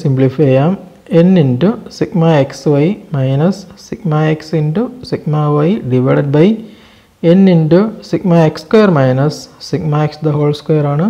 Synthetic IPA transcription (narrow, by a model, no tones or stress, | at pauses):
simblifejaːm | enːiɳɖusikmaːeksʋɐjmɐjnɐsːikmaːeksiɳɖusikmaːʋɐjɖiʋeɽɐʈ̚bɐj | enːiɳɖusikmaːekskojɐɾmajnɐsːikmaːeksd̪ɐɦoːlskojɐɾaːɳɨ